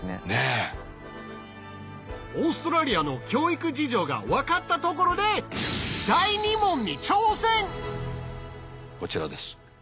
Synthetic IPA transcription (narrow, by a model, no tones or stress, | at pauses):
ḛne | o̞ːsɨ̥t̪oɾaɾʲiano̞kʲo̞ːikɯ̟d͡ʑiʑo̞ːɡa̰βakat̪ːat̪o̞k̬o̞ɾo̞d̪e̞d̪̥aiɲ̟imõ̞ɲ̟ːit͡ɕo̞ːsẽ̞ŋ | ko̞t͡ɕiɾa̰d̪e̞sɨ̥